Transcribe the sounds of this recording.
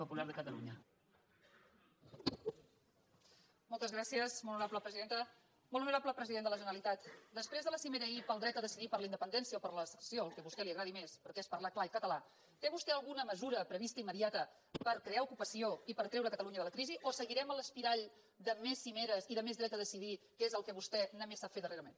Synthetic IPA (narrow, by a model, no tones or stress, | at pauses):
pupulaɾðəkət̪əlṵɲə | molˠt̪əzɣɾasiəsmolnuɾapləpɾəziðent̪ə | molnuɾapləpɾəziðend̪ələʒənəlit̪at̪d̪əspɾezðələsimeɾəipəlˠd̪ɾɛt̪əðəsiðipəɾləind̪əpənd̪ɛnsiəopəɾləsə̥sioəlˠkɛβust̪ɛliəɣɾaðimespəɾkɛespəɾlaklaikət̪əla | t̪eβust̪ɛəlˠɣunəməzuɾəpɾəβist̪əimːəðiat̪ə | pəɾkɾeaukupəsioipəɾt̪ɾɛwɾəkət̪əluɲəðələkɾiziʔosəɣiɾɛmələspiɾaʎ | d̪əmesːimeɾəziðəmezðɾɛt̪əðəsiðikezəlˠkəβust̪ɛnəmesːafet̪d̪əreɾəmen